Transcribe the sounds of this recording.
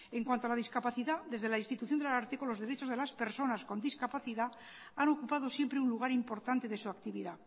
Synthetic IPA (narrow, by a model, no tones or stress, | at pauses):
e̞ŋkwant̪oalaðiskapaθiðaðe̞zðe̞lainst̪it̪uθjo̞nd̪elaaɾt̪ekonlo̞zðe̞ɾe̞t͡ʃo̞zð̞e̞laspe̞ɾso̞nasko̞nd̪iskapaθiða | ano̞kupað̞o̞sjempɾe̞unluɣ̞aɾimpo̞ɾt̪ant̪e̞ðe̞suakt̪iβiða